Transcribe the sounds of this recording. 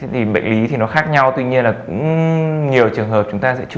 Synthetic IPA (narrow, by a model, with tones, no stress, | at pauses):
e˨˦t̪ʰi˨˩ɓə̰˧˨ŋ̟li˨˦t̪ʰi˨˩nɔ˨˦xaː˦˥k̚ɲa˧wt̪wi˧ɲi˧ənlaː˨˩kʊ̰˧˥ŋ͡mɲi˨˩əwt͡ɕɨ˨˩əŋɦəː˨˩p̚t͡ɕʊ˨˦ŋ͡mt̪aː˧sɛ̰˧˥